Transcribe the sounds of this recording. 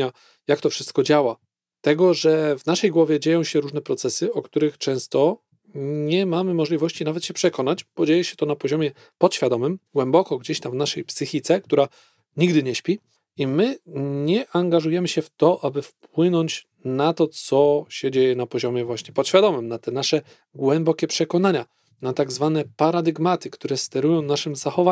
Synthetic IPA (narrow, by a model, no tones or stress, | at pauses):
a | jakt̪ɔfʂɘ̥st̪̚kɔd͡ʑawa | t̪ɛɡɔʐɛvnaʂɛjɡwɔvʲjɛd͡ʑejɔ̃w̃ɕɛɾuʐnɛpɾɔt̪sɛsɘɔkt̪uɾɘxt͡ʂɛ̃w̃st̪ɔ | ɲɛmamɘmɔʐlʲivɔɕt͡ɕinavɛt̪ɕɛpʂɛkɔnad͡ʑb̥ɔd͡ʑejɛɕɛ̥t̪ɔnapɔʑɔmʲɛ | pɔt̪ɕfʲjad̪ɔmɘmɡwɛmbɔkɔɡd͡ʑeɕt̪amvnaʂɛjpsɘxʲit̪sɛk̚t̪uɾa | ɲiɡd̪ɘɲɛɕpʲi | imɘɲɛʔaŋɡaʐujɛmɘɕɛft̪ɔʔabɘfpwɘnɔɲt͡ɕ | nat̪ɔt̪sɔɕɛd͡ʑejɛnapɔʑɔmʲjɛvwaɕɲɛpɔt̪ɕfʲjad̪ɔmɘmnat̪ɛnaʂɛ | ɡwɛmbɔkʲɛpʂɛkɔnaɲa | nat̪aɡzvanɛpaɾad̪ɘɡmat̪ɘkt̪uɾɛst̪ɛɾujɔ̃w̃naʂɘmzaxɔva